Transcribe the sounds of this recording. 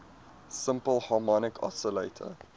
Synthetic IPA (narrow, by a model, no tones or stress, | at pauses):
səmpəlˠhɑːmɔnɪkʰɔ̰səleɪtʰə̰